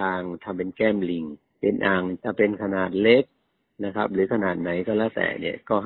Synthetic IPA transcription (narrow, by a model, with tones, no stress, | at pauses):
aː˧ŋt̪ʰa˧mpe˧nkɛː˥˩mli˨˩ŋ | pe˧nʔaː˨˩ŋt͡ɕa˧˩pe˧nkʰa˧naː˨˩t̪̚le˦˥k̚ | na˦˥kʰa˦˥p̚ɾɯː˨˩˦kʰa˧naː˨˩t̪̚na˩˦jkɔː˥˩lɛː˦˥˩t̪ɛ̰ː˨˩ni˧˥˩əkɔː˥˩